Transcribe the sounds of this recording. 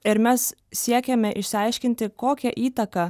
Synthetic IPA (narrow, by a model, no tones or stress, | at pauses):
ɪɾmʲɛs | sʲiɛkʲɛmʲɛʔɪʃʲsʲɪɐɪʃʲkʲɪnʲt̪ʲɪkoːkʲɛʔiːt̪ɐkɑ